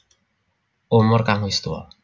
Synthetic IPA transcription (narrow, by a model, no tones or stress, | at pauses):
omoɾkaŋojst̪uo̰